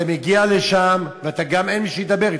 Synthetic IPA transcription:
ameɡiale̞ʃamveat̪aɡame̞nmiʃejd̪abeʁi

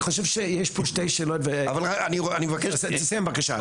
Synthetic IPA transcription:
χoʃevʃejeʃpoʃtejʃeːlotveavalaanianimevakeʃsseseamvakaʃa̰

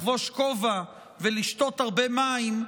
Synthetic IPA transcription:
vo̞ʃkova | veliʃt̪o̞taʁbemaim

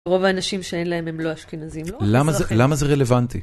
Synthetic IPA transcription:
ʁo̞vaːnaʃimʃeenlae̞memlo̞aʃkinazimlollamazelamazeʁelevant̪i

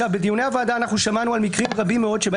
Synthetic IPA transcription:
avbed̪ijune̞avaːd̪aːnaχnuʃamanualmikʁimʁabimːeo̞dʃeb

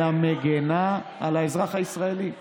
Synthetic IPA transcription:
ameɡenaalaezʁaχaisʁae̞li

